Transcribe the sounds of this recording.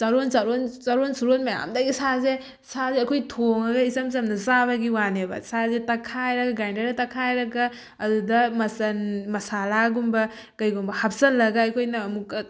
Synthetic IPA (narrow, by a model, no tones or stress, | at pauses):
sɐɾonsɐɾonzɐɾonsuɾolmɐja̰mdɐɡisaze | sazeɐkʰojtʰoŋɐɡɐizɐmzɐmnɐzaβɐɡiwanebɐ̰sazetɐkʰajɾɐɡaɡajndɐɾdɐtɐkʰajɾɐɡa | ɐdudɐmɐsɐnmɐsalaɡumbɐ | kɐjɡumbɐhɐp̚sɐlːɐɡaːkʰojnɐːmukɐ